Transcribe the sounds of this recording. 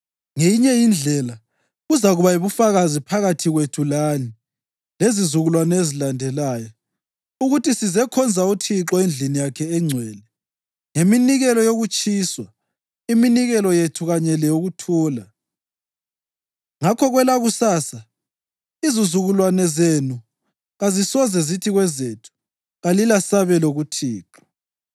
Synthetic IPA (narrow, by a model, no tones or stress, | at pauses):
ŋejiɲɛjind͡ɮʱɛla | ɣuzaɣuβaiβufaɣazipʰaɣatʰiɣwetʰulani | lezizuɣulwanezilandʱɛlaːjɔ | uɣutisizɛkʰɔnd͡zʱautʰiǁɔend͡ɮʱinijakʰɛːŋ͡ǀʱwɛːlɛ | ŋeminiɣɛlɔjoɣut͡ʃʼiːswa | iminiɣɛlɔjetʰuɣaɲɛlɛjoɣutʰuːla | ŋakʰɔɣwɛlaɣusaːsa | izizuɣulwanɛzenu | ɣazisɔzɛzitʰiɣwɛzetʰu̥ | ɣalilasaβɛloɣutʰiːǁɔ̥